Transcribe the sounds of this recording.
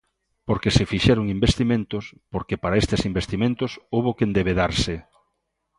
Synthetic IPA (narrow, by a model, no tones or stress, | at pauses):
poɾkesefiʃɛɾoŋimbest̪imẽnt̪ospoɾkepaɾaest̪esimbest̪imẽnt̪osowβokend̪eβeðaɾse